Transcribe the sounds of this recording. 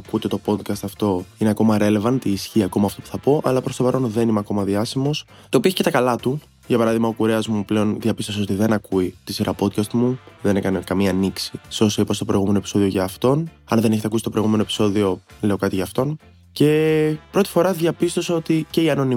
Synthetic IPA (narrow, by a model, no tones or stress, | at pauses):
kut̪e̞t̪o̞po̞d̪kɐst̪ɐft̪o̞ineɐko̞mɐɾe̞le̞vɐnt̪iːsçiɐko̞mɐːft̪o̞pu̥θɐpo̞ʔɐlɐpɾost̪o̞pɐɾo̞nðe̞nimɐko̞mɐðiɐsimo̞s | t̪opioçi̥cet̪ɐkɐlɐt̪u | ʝɐpɐɾɐðiɣmɐokuɾe̞ɐzmuple̞o̞nðʝɐpist̪o̞sɐo̞t̪iðe̞nɐkuit̪isiɾʔɐpo̞d̪̚kɐst̪muðe̞nekɐne̞kɐmiɐniksiseo̞seipost̪opɾo̞iɣume̞noepiso̞ðio̞ʝɐːft̪o̞nɐnðeneçet̪ɐkusi̥t̪o̞pɾojɣume̞noepi̥so̞ðio̞le̞o̞kɐt̪iʝɐːft̪o̞n | ce̞pɾo̞t̪i̥fo̞ɾɐðʝɐpist̪o̞sɐot̪ice̞iɐno̞ni